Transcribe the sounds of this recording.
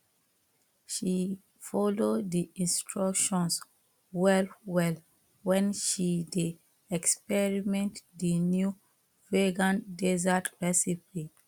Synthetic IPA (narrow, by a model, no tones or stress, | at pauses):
ʃi | fɔlodiĩnstʰɹɔkʃɔ̃ns | wɛlwɛl | wɛ̃nʃide | ɛkspɛɹimɛ̃ntdinju | veɡãndezatɹɛsipi